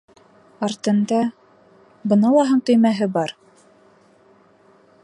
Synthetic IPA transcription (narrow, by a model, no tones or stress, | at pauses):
ɑɾt̪ɤ̆nd̪ɑ | bɤ̆nɑlˠɑɦɤɴt̪ɵ̆jmæɦɘbɑɾ